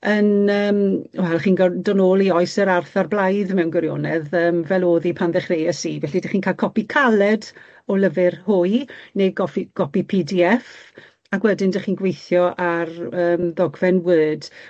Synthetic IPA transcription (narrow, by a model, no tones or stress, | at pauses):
ənəːmwɛlχiːnɡɔdɔnoːlˠiɔɨsəɾarθarblˠajðmɛwnɡwəɾjɔ̰nɛðəːmvɛlˠoːðipʰanðɛχrejɛsivɛɬidaχiːnkʰaːlkʰɔpikʰalˠɛd | ɔləvɪrhʊɨjneɡɔfiɡ̥ɔpipʰidiɛf | akwɛdɪndaχiːnɡwejθjɔʔarəːmðɔɡvɛnwəːd̥